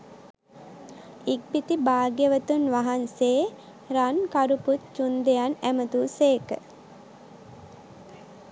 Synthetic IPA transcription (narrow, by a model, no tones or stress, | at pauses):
ik̚bit̪ibaːɡjəʋət̪unʋaɦanseː | ɾankaɾuput̪̚t͡ʃund̪ejanæmət̪uːseːkə̰